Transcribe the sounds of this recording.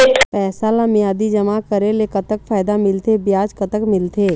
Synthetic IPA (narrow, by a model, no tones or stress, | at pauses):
pɛːsalamjaːd̪id͡ʒəmakəɾelekət̪əkfʰaːɪd̪amɪlt̪ebjaːd͡ʒkət̪əkmɪlt̪eː